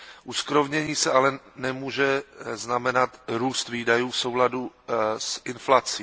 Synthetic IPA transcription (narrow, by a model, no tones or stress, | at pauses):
ʔuskɾovɲɛɲiːsɛʔalɛnɛmuːʒɛznamɛnat̪ɾuːst̪viːdajuːfsowladusʔɪnflat͡siː